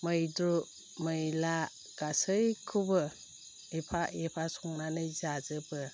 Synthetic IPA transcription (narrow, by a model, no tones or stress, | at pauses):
məjdɾu | məjla | ɡ̥asɯjkʰubɯ | epʰaʔepʰasɔŋnanɯjzazɯbɯ